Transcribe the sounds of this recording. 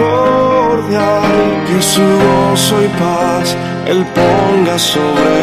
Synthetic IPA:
oɾðjaɾkesiosojpas | ḛlpoŋɡasoβɾe

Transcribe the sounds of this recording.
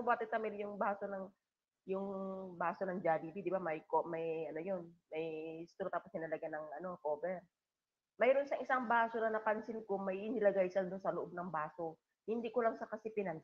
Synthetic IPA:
bwaːt̪ɪt̪ɐmɪljʊŋbaːso̞nɐŋ | jʊŋbaːso̞nɐŋd͡ʒad̪ibid̪ɪbamɐjkomɐjʔɐno̞jo̞nmɐjst̪uːɾot̪aːposnɪnɐlɐɡanɐŋʔɐno̞koːbɛɾ | mɐjɾonsɐŋɪsaŋbaːso̞nɐnɐpɐnsɪnkomɐjɪnɪlɐɡajsɐld̪ʊnsɐloʔo̞b̚nɐŋbaːso̞ | hɪnd̪ikolɐŋsɐkɐsɪpɪnɐn

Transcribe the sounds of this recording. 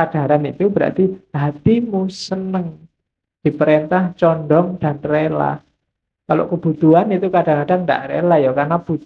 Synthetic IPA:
ad̥a̤ɾanit̪ubəɾa̰t̪ihat̪imusənəŋ | d̪̥i̤pəɾent̪aht͡ʃɔnɖɔŋd̥a̤nrela̰h | kalo̰kəb̥ṳt̪uanit̪ukada̤ŋkaɖanda̰ʔɾḛlahjakarnab̥u

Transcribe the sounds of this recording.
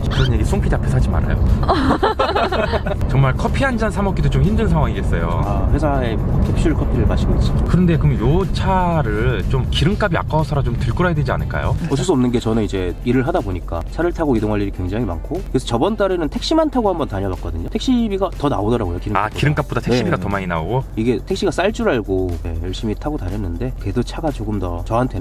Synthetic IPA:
ikʰɯʌnjeɡis͈oŋpʰid͡ʑapʰesʰad͡ʑima̰ɾa̰jo̰ | t͡ɕʌŋmaɭkʰʌpʰiɦand͡ʑansʰamʌk͈idot͡ɕomçimdɯnnsʰaŋɦwaŋies͈ʌjo̰aɸwe̞sʰae̞kʰek̚ɕ͈uɭkʰʌpʰiɾɯɭmaɕʰiɡoit͡ɕ͈ikɯɾʌnde̞kɯmjot͡ɕʰaɾɯɭt͡ɕomkiɾɯŋk͈abia̰k͈aosʰʌɾat͡ɕomtɯɭk͈uɾajadwed͡ʑia̰nɯɭk͈a̰jo̰ʌt̬ʰʌs͈uʌmnɯnɡe̞t͡ɕʌnɯnid͡ʑe̞iɾɯɭɦadaboɲik͈a̰t͡ɕʰaɾɯɭtʰaɡoidoŋɦaʎːiɾikwe̞ŋd͡ʑaŋima̰nkʰokɯɾesʰʌt͡ɕʌbʌnt͈aɾenɯntʰe̞k̚ɕ͈imantʰaɡohambʌntaɲʌbak͈ʌdɯɲotʰek̚ɕ͈ibiɡatʌna̰odʌɾaɡojokiɾɯŋakiɾɯŋk͈ap͈̚odatʰekeɕibiɡatʌmaɲina̰oɡoiɡe̞tʰe̞k̚ɕ͈iɡas͈aɭt͡ɕ͈uɾaɭɡoje̞jʌɭɕ͈imitʰaɡotaɲʌnːɯnde̞ke̞dot͡ɕʰaɡat͡ɕoɡɯmdʌt͡ɕʌɦantʰe̞

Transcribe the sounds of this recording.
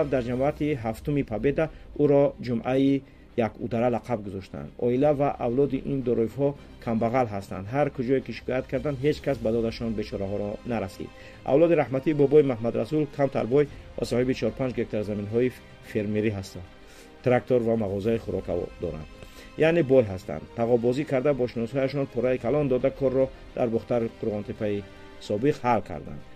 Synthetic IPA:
fd̪aɾd͡ʒamɔat̪iɦaft̪umipʰabe̞d̪auɾɔd͡ʒumʔai | jakʰṵd̪aɾalaqʰab̚ɡuzɔʃt̪a̰nd̪ɔ̰ilavaʔavlɔd̪iʔind̪ɔɾɔivɦɔ | kʰambaʁalɦast̪a̰nd̪ɦaɾkʰud͡ʒɔekiʃi̥kʰɔjat̪kʰaɾd̪and̪ɦe̞d͡ʒkʰasbad̪ɔd̪aʃɔnbe̞t͡ʃʰɔɾaɦɔɾɔnaɾasḭd̪̥ | ʔa̰vlɔd̪iɾahmat̪ʰiːbɔbɔimaɦmad̪ɾasulkʰamt̪ʰa̰ɾbɔjva̰sɔhibit͡ʃʰɔɾupʰand͡ʒɡek̚t̪ʰaɾzaminɦɔi | feɾmeɾiɦast̪a | t̪ɾak̚t̪ʰoɾvamaʁɔzaiχuɾɔkʰa̰ɔ̰d̪ɔɾa̰nd̪ | janebɔjɦast̪ʰa̰nd̪p̪ʰaʁɔbɔzikʰaɾd̪abɔʃinɔshɔjaʃɔnpʰɔɾaikʰalɔnd̪ɔd̪akʰɔrːɔ | d̪̥aɾbɔχt̪aɾqʰuɾʁɔnt̪ʰepʰai | sɔbiqhalkʰa̰ɾd̪a̰nd̪̥

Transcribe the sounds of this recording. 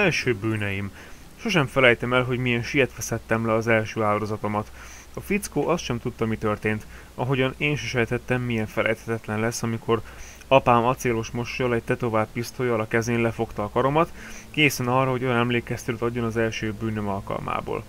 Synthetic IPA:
ɛlʃøːbyːnɛjim | ʃo̞ʃɛɱfɛlɛjt̪ɛmɛlɦo̞ɟmijɛnʃijɛt̪ʋɛsɛt̪ːɛmlɛɒzɛlʃøːaːld̪o̞zɒt̪o̞mɒt̪ | ɒfit̪skoːʔɒst̪ʃɛmt̪ut̪ːɒmit̪ø̞rt̪eːnt̪ | ɒɦo̞ɟɒneːnʃiʃɛlɛt̪ɛt̪ːɛmːijɛɱfɛlʔɛ̰jt̪hɛt̪ɛt̪lɛnlɛsːɒmikʰo̞r | ɒpaːmɒt̪seːlo̞ʃmo̞ʃːɒlɛɟ̚t̪ɛt̪o̞vaːpːist̪ojɒlɒkɛzeːnlɛfo̞kt̪ɒːkɒɾo̞mɒt̪ | keːsɛnɒrɒɦo̞ɟo̞jɒnɛmleːkɛst̪øːt̪ɒɟːo̞nɒzɛlʃøːbyːnømɒlkɒ̰lma̰ːbo̰ːl

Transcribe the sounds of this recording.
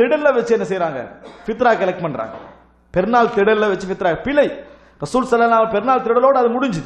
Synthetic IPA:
ɪɽɐllɐʋɐt͡ʃːɯɛnːɐsɛjɾaːŋɡɐ̰fɪt̪̬ɾaːkɐlɐkʈpɐnɳɖɾa̰ːŋɡɐ̰ | pɛɾnaːlt̪ɪɽɐllɐʋɐt͡ʃːɯfɪt̪ːɾaːkpɪlɐɪ | ɾɐsuːlsɐlːɐlnːaːlɐpɛɾnaːlt̪ɪɽɐloːɽɯɐðɐmʊɽɪɲd͡ʒɯ

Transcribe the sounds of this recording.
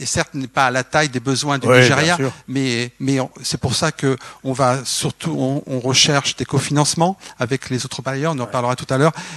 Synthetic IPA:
esɛʁt̪nɛpaːlat̪ajd̪ebəzwɛ̃d̪yniʒeʁjamɛmɛɔ̃sɛpuʁsakəɔ̃vasyʁt̪ʰuɔ̃ɔ̃ʁəʃɛʁʃd̪ekofinɑ̃smɑ̃avɛklezot̪χəpajœʁɔ̃nɑ̃paʁləʁat̪u̥t̪alœːʁ

